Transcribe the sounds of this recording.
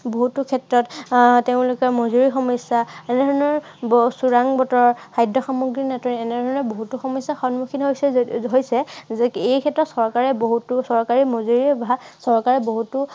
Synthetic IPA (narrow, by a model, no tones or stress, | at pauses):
boɦutukʰɛtɹɔtteʊ̃lʊkɔmozuɹixɔmɔsaɛnɛdʱɔɹnɔɹ | suɹaŋbɔtɔɹkʰajdɔxamuɡɹinɛtɔniɛnɛdʱɔɹnɔɹboɦutuxɔmɔsaxɔnmuxʰinɦojsɛɦojsɛzɛejkʰɛtɹɔtsɔɹkaɹɛboɦutusɔɹkaɹimozuɹibasɔɹkaɹɛboɦutʊ